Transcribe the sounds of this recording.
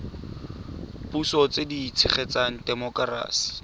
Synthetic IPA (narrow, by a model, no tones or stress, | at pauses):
pusɔt͡sediːt͡sʰɪχɛt͡saŋ̩dɛmɔkara̰ːsi̥